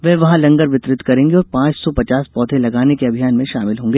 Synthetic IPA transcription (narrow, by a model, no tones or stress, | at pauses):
ʋɛːʋɐɦãlɐ̃ŋɡəɾʋɪt̪ɾɪt̪kɐɾẽːŋɡeɔːɾpãːt͡ʃsɔpɐt͡ʃaːspɔːt̪ʰẽlɐɡaːnekeɐbʱijaːnmẽʃaːmɪlɦõːŋɡeː